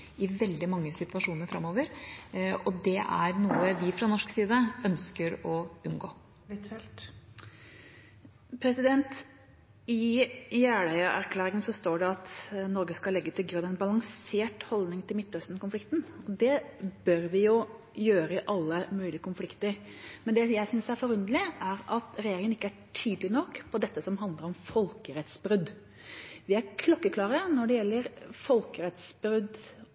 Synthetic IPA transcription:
ɪʋɛld̪ɪmɑŋːəsɪt̪ʋɑʂuːnəɾfɾɑmoːʋəɾ | ɔd̪ɛʔæ̰ɾnuːəʋɪfɾɑnɔʂksiːd̪əʔœnskəɾɔʉnɡoː | pʰɾɛsɪd̪ɛnt̪ | ɪjæːɽæɪəʔæ̰ɾkʰlæːɾɪŋənsɔst̪oːɖɛɑt̪nɔɾɡəskɑlɛɡːət̪ʰɪlɡɾʉnːɛnbɑlɑŋseːʈhɔld̪nɪŋt̪ʰɪlmɪt̪ːlœst̪nəkʊnflɪkt̪n̩ɔd̪ɛbœɾʋɪjʊ | jøːɾəʔɑlːəmʉːlɪəkʰʊnflɪkt̪əɾmɛnd̪ɛjæɪsʏnsæɾfɔɾʉnd̪əlɪʔæɾɑt̪ɾɛjeːɾɪŋənɪkːəæʈʰyːd̪əlɪnɔkːpʰɔd̪ɛt̪ːəsɔmɦɑnd̪ləɾɔmfɔlkəɾɛt̪sbɾʉd̪ | ʋɪæɾkʰlɔkːəkʰlɑːɾənɔɖɛjɛlːəɾfɔlkəɾɛt̪sbɾʉd̪

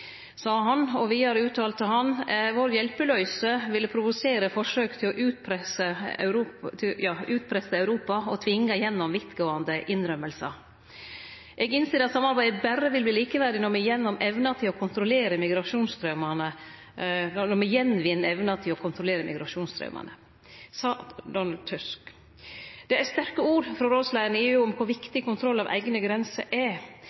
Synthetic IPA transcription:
sɑːɦɑnɔʋɪhɑɾʉːt̪ʰɑːlt̪əɦɑnʋoːɾjɛlpəlœʏsəʋɪlːəpʰɾʊʋʊseːɾəfɔʂøːkt̪ʰɪlɔʔʉːt̪̚pʰɾɛsə̰ɾʰɪjɑːʉːt̪̚pʰɾɛsəœʉɾuːpɑɔt̪ʰʋɪŋːəjɛnːɔmʋɪt̪ɡoːɑnd̪əʔɪnɾœməlsɑ | ʔɛɡɪnseːɾɑt̪sɑmːɑɾbæɪd̪ət̪̚bæɾəʋɪlbliːliːkəʋæɾd̪ɪnɔɾmɛjɛnːɔmɛʋnɑt̪ʰɪlɔkʰʊnt̪ɾʊleːɾəmɪɡɾɑʂuːnst̪ɾœmɑnə | nɔmɛjɛnːʋɪnːɛʋnɑt̪ʰɪlɔkʰʊnt̪ʰɾʊleːɾəmɪ̰ɡɾɑʂuːnst̪ɾœ̰ːmʔɑ̰nə | sɑːd̪ɔnɑld̪̚t̪ʰʉsk | d̪̥ɛæst̪æɾkəuːɾfɾɔɾoːslæənɪʊʊmkʰʊɾʋɪkt̪ɪkʰʊnt̪ʰɾɔlːɑʋʔæ̰ɪɡnəɡɾɛnsə̰ʔɛ

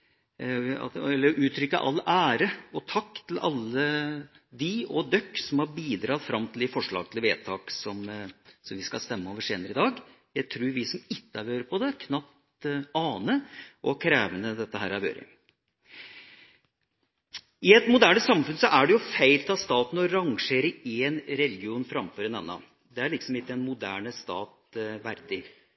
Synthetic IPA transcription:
ɑ̰ɛlːəɾʔʉːt̪ʰɾʏkːə̰ʔɑ̰lːæːɾəɔt̪ʰɑkːt̪ʰlʔɑ̰lːə | d̪ɪɔd̪œkːsɔmhɑɾbiːd̪ɾɑːt̪fɾɑmːt̪ʰld̪ɪfɔʂɭɑ̰ːɡ̚t̪ʰl̩ʋeːt̪ʰɑːksɔmsɔmʋɪskɑ̰st̪ɛmːəɔːʋəʂeːnəɾəɪd̪ɑːɡjæɪt̪ʰɾuːɾʋɪsɔmɪt̪ːəɑɾʋøːɾəpʰɔd̪ɛkʰnɑp̚t̪ | ɑːnəʔɔkʰɾæːʋənəd̪ɛt̪ːəɦæːɾɑɾʋjø̰ːɾʔə̰ | ɪɛt̪mʊd̪æːɳəsɑmfʉnsɔʔæɖɛjʊfæɪlt̪ʰɑːst̪ɑːt̪n̩ɔɾɑŋʂeːɾəeːnɾɛlɡɪuːnfɾɑmføːɾɛnɛnːɑ̰ | d̪ɛæɭɪksɔmɪt̪ːɛnmʊd̪æːɳəst̪ɑ̰ːt̪ʋæɾd̪ɪ

